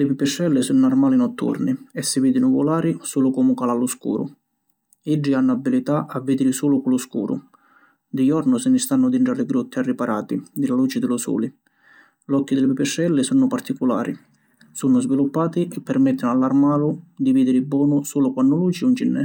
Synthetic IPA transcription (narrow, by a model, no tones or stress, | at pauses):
lɪpipːɛʃɛlːɪsunʊarmaːlinɔt̪ːṵrniɛsːɪviːd̪inuvulaːɾisuːlʊkɔmukalalːʊskṵːɾʊ̰ | id͡ʒːianːʊabːilit̪aʔavːid̪ɪɾɪsuːlʊkulʊskṵːɾʊ̰ | d̪ijɔrnʊsɪnɪst̪anːʊd̪iɳʈɾalɪɡɾut̪ːɪarːipaɾʔaːt̪id̪ilaluːt͡ʃɪd̪ɪlʊsṵːli | lɔkːid̪ɪlɪpipːɛʃːɛlːɪsunʊpart̪ikula̰ːɾʔḭ | sunʊzvilupːaːt̪iɛpːɛɾmɛt̪ːɪnalːarmaːlʊd̪iviːd̪ɪɾibɔːnʊsuːlʊkwanːʊluːt͡ʃiunt͡ʃinːɛ̰